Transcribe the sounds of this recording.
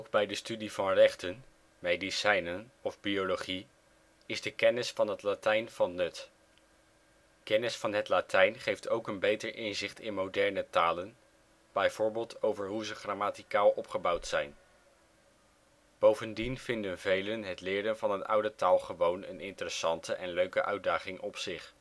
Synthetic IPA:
owɡbɛjdəstydivɑnrɛχtən | mejdisɛjnənɔvbiolowχi | ɪzdəkɛnɪsfɑnɦətlatɛjnv̥ɑnːɵt | kɛnɪsfɑnɦətlatʰɛjnχejftʰowkənbejtəɹʔɪnzɪχtɪ̰nmowdɛɹnətaːlən | b̥ɛjv̥ʊːɹbɪːlˠtʰowvəɹɦuzəχramaːtikaːlˠɔpχəbɑwtsɛjn | b̥owvəndinvɪndənvejlənɦətlɪːɾənvɑnɦətʌ̰wdətaːlˠχəʋownənɪntərəsɑntəʔɛnløɥkəʔœɥ̚daːχɪŋʔɔpsɪχ

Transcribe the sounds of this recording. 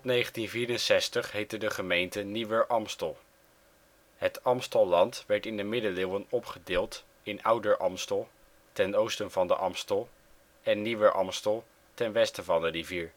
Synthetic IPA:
tɔtnejχəntinviːɾənsɛstəχɦejtəndəχəmejntəniʋəɹʔɑmstəlˠ | ɦətɑmstəlˠːɑntʋɛɹtɪndəmɪdəlɪwənɔpχədɪːlˠt | ɪnʌwdəɹʔɑmstəlˠ | tɛnowstənvɑndə̰ʔɑmstəlˠ | ɛnːiʋəʔɑ̰mstəlˠ | tɛnʋɛstəvɑndəriviːɹ

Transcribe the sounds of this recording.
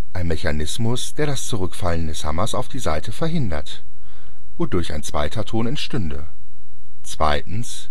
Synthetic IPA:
ʔaɪnmeçanɪsmʊsd̥eːɐɾast͡suʁʏkfaləndɛsha̰mɐsaʊfd̥iːzaɪtʰəfɛɐɦɪndɐ̰t | voːdʊɐça̰ɪnt͡sv̥a̰ɪtʰɐtʰoːnɛntʃtʏndə | t͡sv̥a̰ɪtn̩s

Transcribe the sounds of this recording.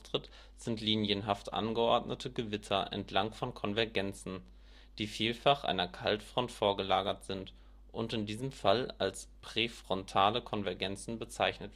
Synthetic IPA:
tʁ̥ɪt | z̥ɪntliːnjənɦaftʔa̰nɡəʔɔɐdnʔətʰəɡəvɪtʰɐʔɛ̰ntʰlaŋfɔnkʰɔnvɛɐɡɛnt͡sn̩ | d̥iːfiːlfaχʔa̰ɪnɐkʰa̰ltfʁ̥ɔntfoːɐɡəlaːɡɐtz̥ɪnt | ʔʊntɪndiːzəmfalalspʁ̥efʁ̥ɔntʰaːləkʰɔnvɛɐɡɛnt͡sn̩bət͡saɪçnət

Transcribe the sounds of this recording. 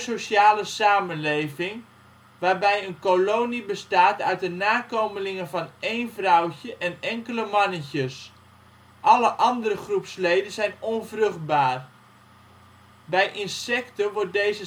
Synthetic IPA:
sosaːləsaːmənlejvɪŋ | ʋaːrbɛjənkoloːnibəstaːtœɥt̚dənaːkowməlɪŋənvɑneːnvrɔwcəʔɛnɛŋkələmɑnəçəs | ʔɑləʔɑndəɾəχrupslejdənzɛjnɔnvrɵχt̚baːr | bɛjʔɪnsɛktəʋʊrt̚dejzə

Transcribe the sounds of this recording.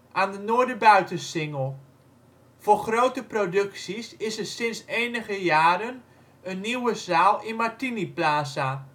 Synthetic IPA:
ʔaːndənoːɹdəbœɥtəsɪŋəlˠ | foːχrowtəprodɵksisɪsəsɪnsejnəɣəjaːɾən | ənːiwəzaːlˠɪnmaɹtiniplaːsa

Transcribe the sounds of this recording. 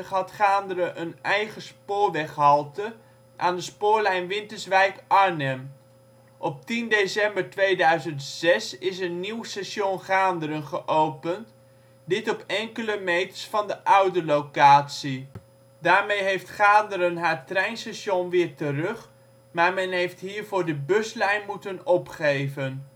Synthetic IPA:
χɦɑtχaːndəɾəʔənɛjχəspʊːɹʋɛχɦɑlˠtə | ʔaːndəspʊːɹlɛjnʋɪntəɹsʋɛjkɑɹnɛm | ʔɔp̚tindesɛmbəɹtʋejdœɥzəntsɛsɪsənːiwsɛsjonχaːndəɾənχəʔowpənt | dɪtɔpɛŋkələmejtə̥ɹsfɑndəʔœɥdəlowkaːtsi | daːɹmejɦejftχaːndəɾənɦaːɹtrɛjnsɛsjonʋɪːɹtərɵχ | maːɹmɛnɦejftɦiːɹvʊːɹdəbɵslɛjnmutənɔpχejvən

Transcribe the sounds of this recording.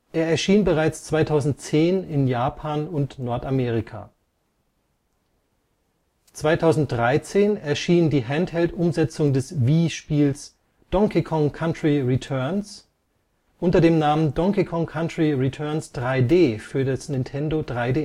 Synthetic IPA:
ʔeːɐɛɐʃiːnbəʁaɪt͡st͡sv̥aɪtʰaʊzn̩t̚t͡seːnɪnjaːpʰaːnʊntnɔɐtameːʁ̞ɪkʰa̰ː | t͡sv̥aɪtʰaʊzn̩t̚d̥ʁaɪt͡seːnɛɐʃiːndiːɦɛnthɛltʔʊmzɛt͡sʊŋdɛsviːʃpiːls | d̥ɔŋkʰikʰɔŋkʰantʁ̥iʁitʰœɐns | ʔʊntɐdeːmnaːməndɔŋkikʰɔŋkʰantʁiʁitʰœɐnsd̥ʁaɪdeːfyːɐdɐsnɪntʰɛndodʁaɪdeː

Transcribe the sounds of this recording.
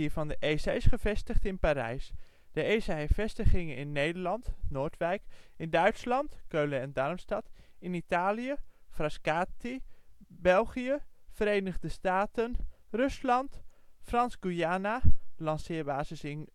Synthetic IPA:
ivɑndəʔesasχəvɛstəχtɪnpaːɾɛ̰js | d̥əejsaɛfɛstəχɪŋəɪ̰nːejdəɹlɑntnoːɹtʋɛjkɪndœɥtslɑntkøɥləɛndɑrmstɑt | ɪnitaːlijəfrɑskaːtibɛlˠχijəv̥əɾejnəχdəstaːtənrɵslɑntfrɑnzɡujaːnalɑnsɪːɹbaːzəsɪn

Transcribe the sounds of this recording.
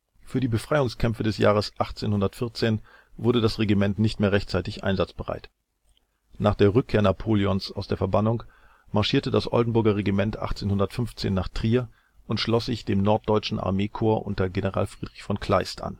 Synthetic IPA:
fyːɐdiːbəfʁ̥aɪʊŋskʰɛmfədɛsja̰ːʁ̞əsʔaχt͡seːnhʊndɐtfɪɐt͡seːn | vʊɐdədasʁeɡimɛntnɪçtmeːʁɛçtt͡saɪtɪçʔa̰ɪnzat͡sb̥əʁa̰ɪt | naːχd̥eːɐʁʏkʰːeːɐnapʰoːliɔnsaʊsd̥eːɐfɛɐbanʊŋ | maɐʃiːɐtədasʔɔ̰ldn̩bʊɐɡɐʁ̞eɡimɛntʔa̰χt͡seːnhʊndɐtfʏnft͡sḛːnːaːχtʁ̥iːɐ | ʊntʃlɔsz̥ɪçd̥eːmnɔɐt̚d̥ɔʏt͡ʃn̩ʔa̰ɐmeːkʰoːɐʔʊ̰ntɐɡenəʁa̰ːlfʁ̥iːdʁɪçfɔnkʰl̥aɪstʔa̰n

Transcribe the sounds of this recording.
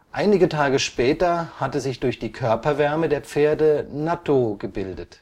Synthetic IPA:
ʔaɪnɪɡətʰaːɡəʃpɛːtɐhatəzɪçd̥ʊɐçd̥iːkʰœɐpɐvɛɐmədeːɐp͡feːɐdənatʰoɡəbɪldət

